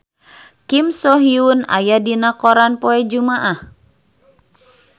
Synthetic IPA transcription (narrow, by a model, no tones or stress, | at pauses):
kimsɔɦiuna̰jadinakɔɾanpɔɛd͡ʒumaʔah